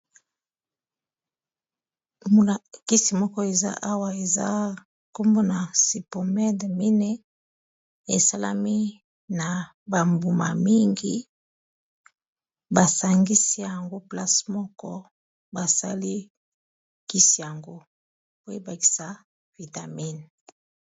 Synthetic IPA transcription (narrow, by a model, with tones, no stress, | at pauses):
o˨lki˦si˨mɔ˦kɔ˦e˨za̰˦ʔa˦wa˦e˨za̰˦ | ko˦mbo˦na˨si˨po˨mɛ˦dmi˦ne˦ | e˨sa˦la̰˦mi˦ | na˨ | ba˨mbu˨ma˨mi˦ŋɡi˦ | ba˨sa˨ŋɡi˦si˦ja˨ŋɡo˦pla˦smɔ˦kɔ˦ | ba˨sa˦li˦ | ki˦si˨ja˨ŋɡo˦ | po˦e˦ba˨ki̥˨sa˦ | vi˨ta˨mi˦n